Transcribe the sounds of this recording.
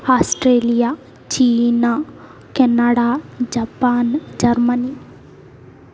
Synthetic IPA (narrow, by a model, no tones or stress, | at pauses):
aːsʈɾeːlija | t͡ʃiːna | kɛnaɽad͡ʒapaːnd͡ʒɐɾməni